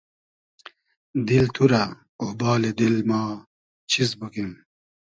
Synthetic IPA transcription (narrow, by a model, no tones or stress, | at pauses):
d̪ilt̪ʰuɾa | ohbaːled̪ilmaː | t͡ɕʰizbukim